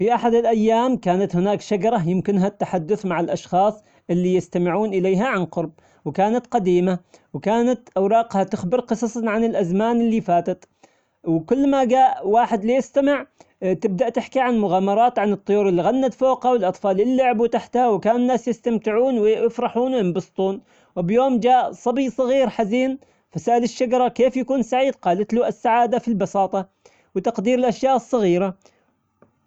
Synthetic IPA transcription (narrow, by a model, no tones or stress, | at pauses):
fiʔaħad̪ɪlʔajːaːmkaːnat̪hɪnaːkʃaɡɑɾˤɑjɪmkɪnɦat̪ːaħad̪ːʊθmaʕɪlʔɑʃxɑːsˤ | ʔɪlːijɪst̪amɪʕuːnʔɪleːɦaʕanqʊɾˤb̚ | wɪkaːnat̪qɑd̪iːmawkaːnat̪ʔɑwɾˤɑːqhat̪ʊxbɪɾqɨsˤɑsˤnʕanɪlʔazmaːnʔɪlːifaːt̪at̪ | wɪkʊlːmaɡaːʔwaːħɪd̪lijɪst̪amɪʕt̪ɪb̚d̪aʔt̪ɪħkiʕanmʊɣaːmɑɾˤɑːt̪ʕanɨt̪ˤːʊjuːɾɪlːiɣanːat̪foːqhawɪlʔɑt̪ˤfɑːlɪlːʊʕbut̪aħt̪hawɪkaːnɪnːaːsjɪst̪amt̪ɪʕuːnwɪjɪfɾˤɑħuːnwjɪmbɑst̪ˤuːn | wɪbjoːmd͡ʒaːʔsˤɑbijsˤɑɣiːɾħaziːn | fasaʔalɪʃːad͡ʒɑɾˤɑkeːfjakuːnsaʕiːd̪̚qɑːlat̪luːʔasːaʕaːd̪afilbɑsɑːt̪ˤɑ | wɪt̪ɑqd̪iːɾɪlʔaʃjaːʔɨsˤːɑɣiːɾa